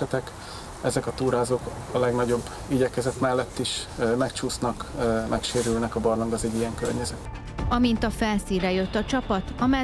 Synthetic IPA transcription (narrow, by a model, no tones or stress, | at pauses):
ɛt̪ɛk | ɛzɛkɒt̪uːɾaːzoːkɒlɛɡnɒɟo̞bː | iɟɛkɛzɛt̪mɛlːɛt̪ːiʃmɛkt͡ʃuːsnɒkːmʔɛkʃeːɾylnɛkɒbɒrlɒŋɡɒzɛɟːijɛŋkørɲɛzɛt̪ | ɒmint̪ɒfɛlsiːɾɛjøt̪ːɒt͡ʃɒpɒt̪ɒmɛ